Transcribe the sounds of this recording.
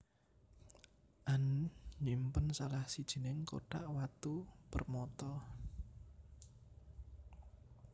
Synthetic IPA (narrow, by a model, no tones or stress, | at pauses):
ʔanɲimpənsalahsid̥ʒ̥i̤nɪŋko̰ʈa̰ʔwat̪upərmɔt̪ɔ